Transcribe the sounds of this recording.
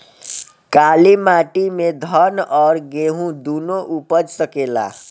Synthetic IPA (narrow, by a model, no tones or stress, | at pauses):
kalimaʈimed̪ʱʌnɔːɾɡeɦũd̪unoʔupəd͡ʒsəkela̰